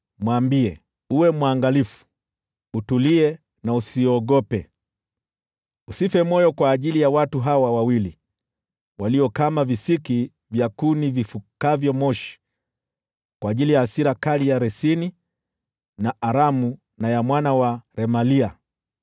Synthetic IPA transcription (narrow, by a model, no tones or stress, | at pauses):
mwaːmbiɛ | uwɛmwaŋɡalifu̥ | utuliɛ | nausiɔɡɔpɛ | usifɛmɔjɔkwaːʄilijawatuɦawawawili | waliɔkamavisiki | vjakunivifukavjɔmɔʃi̥ | kwaːʄilijaːsiɾakalijaɾɛsini | naʔaɾamu | najamwanawaɾɛmalia